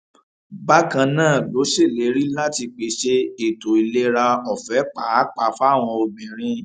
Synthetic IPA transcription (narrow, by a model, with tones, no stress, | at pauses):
ba˦kã˧nãː˦˨lo˨˦ʃe˦˨le˨˦ɾi˦la˦ti˧k͡pe˨˦ʃe˧e˨to˨i˨le˧˦ɾa˧ɔ˨fɛ˨˦k͡pa˨˦k͡pa˨fa˦˨w̃ɔ̃˧o˧bĩ˨ɾ̃ĩ˧